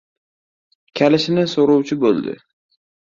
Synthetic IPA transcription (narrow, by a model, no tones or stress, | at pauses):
kʲʰalɪʃɪnɪsoɾuwt͡ʃʰɪbolˠd̪ɪ̰